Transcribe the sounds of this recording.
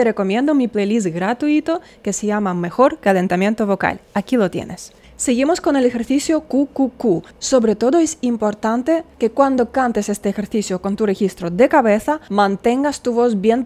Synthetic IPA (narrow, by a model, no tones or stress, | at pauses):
t̪ereko̞mje̞nd̪omiplelis̬ɡɾat̪uit̪o | kesejamame̞xoɾkalent̪amje̞nt̪oβoka̰lakilot̪jḛnes | seɣimoskonelexeɾθisjokukuku | soβɾet̪o̞ðoesimpo̞ɾt̪ant̪ekekwand̪okant̪esest̪eːxeɾθisjoko̞nt̪urexist̪ɾoðekaβeθamãnt̪eŋɡast̪uβozbjen